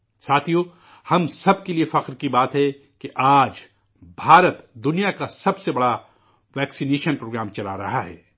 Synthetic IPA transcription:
saːt̪ʰijo | hɐmsɐb̚keliefɐqɾkibaːt̪ɦɛ | keʔaːd͡ʒ | bʱaːɾət̪d̪ʊnijakasɐbsebɐɽa | ʋɛːksineːʃənpɾoːɡɾaːmt͡ʃɐla̰ɾɐɦaɦɛ̰ː

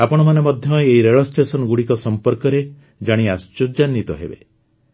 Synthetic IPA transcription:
apɔɽ̃ɔmanemɔd̪ʱjɔeɦiɾeɭɔsʈesɔnɔɡuɽikɔsɔmpɔɾkɔɾe | d͡ʒaɽ̃iast͡ʃod͡ʒanːit̪ɔɦḛbḛ

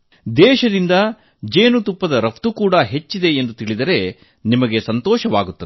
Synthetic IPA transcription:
d̪ɛːʃɐd̪ind̪ɐ | d͡ʒeːnut̪upːɐd̪ɐɾɐpt̪ukuːɽɐɦe̞t͡ʃːid̪e̞ːnd̪ut̪iɭid̪ɐɾe̞ | nimɐɡe̞sɐnt̪ɔːʃɐʋaːɡut̪ːɐd̪e

